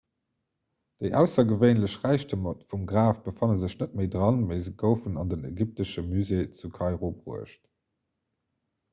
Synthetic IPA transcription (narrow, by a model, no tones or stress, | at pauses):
d̥eɪʔæʊsɐɡəveɪnləɕʁæɪʃtəmɑtfumɡʁaːfb̥əfɑnəzəɕnət̚meɪdʁɑnməɪzəɡəʊfənɑndənḛɡip̚təʃəmyzeːt͡sukʰɑɪʁobʁuəʃt